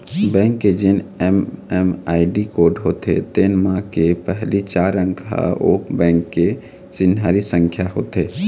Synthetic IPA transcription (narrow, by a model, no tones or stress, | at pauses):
bɛ̃ːŋkːed͡ʒɪnɛmɛmaːiɖikoːɖɦot̪ḛt̪enmãkepɛɦlit͡ʃaːɾə̃ŋɡɦa̰oːkbɛ̃ːŋkːe | sɪnɦaːɾisə̃ŋkʰjaɦo̰ːt̪eː